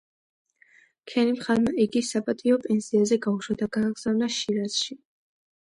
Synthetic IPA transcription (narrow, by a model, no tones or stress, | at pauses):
kʰɛnimχaɾmaʔiɡisapʼat̪ʼiɔpʼɛnsiazɛɡauʃwad̪aɡaːɡz̥avnaʃiɾaz̥ʃi